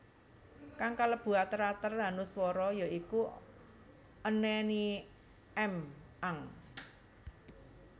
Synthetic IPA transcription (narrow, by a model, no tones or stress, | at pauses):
kaŋkaləb̥ṳat̪əɾat̪əranuswɔɾɔjoiku | ənɛni | ɛmʔaŋ